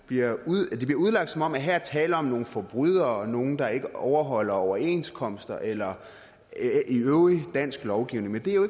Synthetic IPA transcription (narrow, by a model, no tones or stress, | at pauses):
b̥liɐuðˠd̥eb̥liɐuðˠlɑ̈ɡ̥d̥sɒ̽mɒ̽mæɦæɐt͡sʰɛːləɒ̽mno̝ːn̩fɒb̥ʁyð̞̰ˠɐɒ̽no̝ːn̩d̥ɑ̈e̝ɡ̥əɒʊɐɦɒ̽l̰ɐɒʊɐe̝̰nskʰɒ̽m̰sd̥ɐʔelɐ | iøʊʁid̥æn̰sɡ̥lɒʊɡ̥iʊne̝ŋmend̥eæjoe